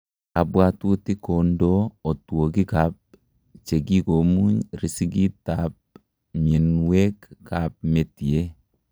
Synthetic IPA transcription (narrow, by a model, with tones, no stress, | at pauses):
a˨bwa˨tu˦ti˦ko˨ndoː˦˨two˨ɡi˦kap̚ | t͡ʃe˨ɡi˦ko˨mu˦ɲɾi˨si˦ɡi˦tap̚ | mi˨nwɛ˦kːap̚me˨ti˨e˦